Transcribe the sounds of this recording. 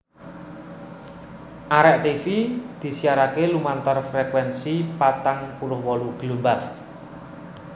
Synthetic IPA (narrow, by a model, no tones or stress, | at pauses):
ʔaɾɛʔt̪ifid̪̥i̤siaɾakelumant̪ɔrfɾɛkwɛnsipat̪aŋpulʊhwɔluɡ̥lumbar